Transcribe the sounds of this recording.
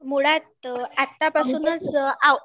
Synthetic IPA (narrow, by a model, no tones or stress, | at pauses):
muɽat̪at̪ːapasuːnət͡sa